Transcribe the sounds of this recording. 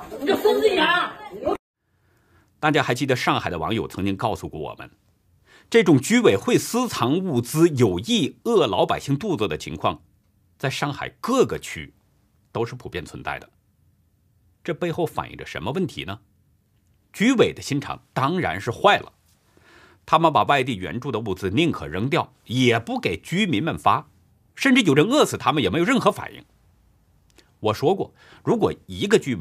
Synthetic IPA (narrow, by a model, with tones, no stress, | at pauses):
t̪a˥˩t͡ɕja˥xa˧˥ɪt͡ɕi˥˩d̪ə˩ʂɑ˥˩ŋxa˨˩ɪd̪ə˦˧wɑ̰˧˥ŋjo˨˩ʊt͡sʰɤ˧˥ŋt͡ɕi˥ŋkɑ˥˩ʊsu˧kwɔ˥˩wɔ̰˨˩mʔə̰˦n | ʈ͡ʂɤ˥˩ʈ͡ʂʊ˨˩ŋt͡ɕy˥we˨˩ɪxwe˥˩ɪsɹ̩˥t͡sʰɑ˧˥ŋu˥˩t͡sɹ̩˥jo˨˩ʊi˥˩ɤ˥˩lɑ˧˥ʊpa˨˩ɪɕi˥˧ŋt̪u˥˧t͡sə˥˧˩d̪ə˩t͡ɕʰḭ˧˥ŋkʰwɑ̰˥˧ŋ | t͡sa˥˧ɪʂɑ˥˩ŋxa̰˨˩ɪkɤ˥˩ɡə˩t͡ɕʰy̰˥ | t̪o˥ʊʂɻ̩˥˩pʰu˨˩pjɛ˥˩nt͡sʰwə˧nt͡sa˥˩ɪə˩ | ʈ͡ʂɤ˥˧pe˥˧ɪxo˥˩ʊfa̰˨˩nʔḭ˥˩ŋʈ͡ʂə̰˩ʂə̰˧˥nmə˧wə˥˩nt̪ʰḭ˧˥nə˧ | t͡ɕy˥we˨˩ɪd̪ə˦ɕi˥nʈ͡ʂʰɑ̰˨˩ŋt̪ɑ˥ŋɻa̰˧˥nʂɻ̩˥˧xwa˥˩ɪlə̰˩ | t̪ʰa˥mə˨npa˨˩wa˥˧ɪt̪̬i˥˩ɥɛ̰˧˥nʈ͡ʂu˥˩d̪ə˩u˥˩d͡zɹ̩˧˩lɛ˥˩ŋkʰɤ̰˨˩ɻə˧˥ŋt̪jɑ˥˩ʊjɛ˨˩pu˥˩ke˨˩ɪt͡ɕy˥mi˧˥nmə˧˨nfa˥ | ʂə˥˧nʈ͡ʂɻ̩˥˩jo˨˩ʊʈ͡ʂə˥˧ŋɤ˥˩t͡sʰɹ̩˨˩t̪ʰa˥mə˨njɛ˨˩me˧˥ɪo˨˧ɻə˥˩nxɤ˧˥fa̰˨˩nḭ˥˩ŋ | wɔ˨˩ʂwɔ˥kwɔ̰˥˩ | ɻu˧˥kwɔ˨˩i˧˥ɡə˧t͡ɕy˥e˩